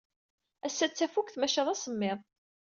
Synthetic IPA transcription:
æsːæt͡sːæfukθmæʃəðˤæsəmːɪðˤ

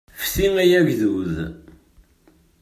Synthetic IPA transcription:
fθiŋæjæʝðuð

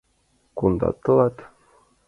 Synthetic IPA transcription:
kund̪ɑ̰t̪əlɑt̪

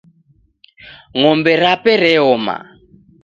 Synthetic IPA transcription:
ŋɔmbɛɾapɛɾɛɔma̰

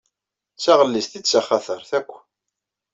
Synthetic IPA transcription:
t͡sːaʁəlːisθit͡sːaχæθəɾθækʷː

